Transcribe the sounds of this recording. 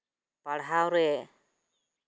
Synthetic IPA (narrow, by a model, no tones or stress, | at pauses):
paɽɦawɾɛ